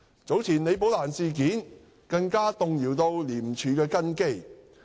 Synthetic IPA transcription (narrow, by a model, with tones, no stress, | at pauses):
t͡so˨˥wt͡sʰiː˨˩nle˨˧jp̬o˨˥wlaː˨˩nsiː˨k̬iː˨˥n | kɐ˧ŋkaː˥t̪ʊ˨˧ŋjiː˨˩wt̪o˧wliː˨˩m̩t͡ʃʰyː˨kɛː˧kɐ˥nke˥j